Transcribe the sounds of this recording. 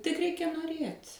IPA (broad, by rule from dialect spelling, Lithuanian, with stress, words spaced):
tʲɪk ˈrʲɛɪkʲɛ noːˈrʲeːtʲ